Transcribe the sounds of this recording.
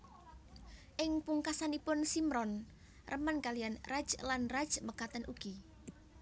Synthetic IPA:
ʔɪŋpuŋkasanipʊnsimɾɔn | rəmankalijanrḁd͡ʒlanrḁd͡ʒməkat̪ənʔuɡ̥i

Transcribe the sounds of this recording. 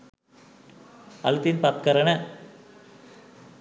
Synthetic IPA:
ɐlt̪inpɐt̪kɐɾɐnɐ

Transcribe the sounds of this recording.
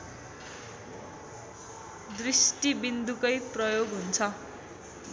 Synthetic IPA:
d̪risʈibind̪ukʌjprʌjoɡɦunt͡sʰʌ

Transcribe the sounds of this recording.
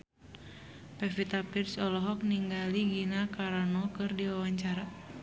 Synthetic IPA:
pɛfit̪apirsɔlɔɦɔk̚niŋɡaliɡinakaɾanɔkɨrdiwawaɲt͡ʃaɾa

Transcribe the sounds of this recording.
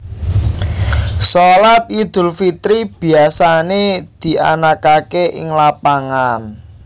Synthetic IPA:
solat̪̚id̪̥ʊ̤lfit̪ɾib̥i̤asaned̪̥i̤ʔa̰nakakeʔɪ̰ŋlapaŋan

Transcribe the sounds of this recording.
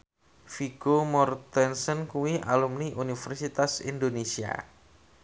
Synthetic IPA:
fiɡomɔrt̪ɛnsənkuwiʔalumniʔunifɛrsit̪asḭndonesia̰

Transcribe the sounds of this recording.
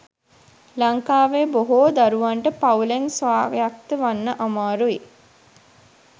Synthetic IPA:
laŋkaːʋeːboɦoːd̪aɾuʋaɳʈəpauleŋsʋaːɡejak̚t̪əʋanːəʔamaːɾui

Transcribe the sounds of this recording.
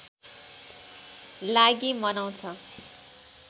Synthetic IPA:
laɡimʌnaw̃t͡sʰʌ

